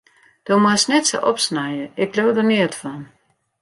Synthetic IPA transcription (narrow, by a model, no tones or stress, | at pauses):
d̥omwasnɛtsə̰ʔɔpsnajəɪkloːwdənɪətfɔn